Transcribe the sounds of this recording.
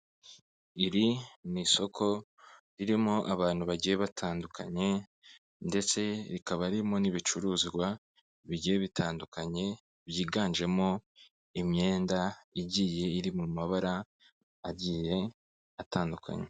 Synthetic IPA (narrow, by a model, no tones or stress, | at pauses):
iɾiniso̞kʰo̞ɾiɾimoʔaβaːn̥huβaɟijeβatʰaːndukʰa̰ɲe̞ | nde̞t͡se̞ɾikaβaɾimo̞niβit͡ʃuɾuːziɡwa | βiɟijeβitʰaːndukʰaɲe̞ | βjiːɡaːnd͡ʒe̞mo̞ | imɲe̞ːndaiɟiːje̞iɾimumaβaɾa | aɟiːje̞ | atʰaːndukʰa̰ɲe